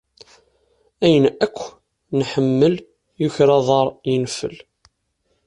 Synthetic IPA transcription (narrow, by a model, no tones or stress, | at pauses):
æjənækʷː | nħəmːəl | jʊçɾɑðˤɑɾˤjənfə̰l